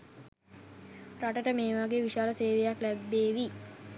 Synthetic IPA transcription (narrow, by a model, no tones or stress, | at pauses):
raʈəʈəmeːʋaɡeːʋiʃaːləseːʋejaklæbːeːʋi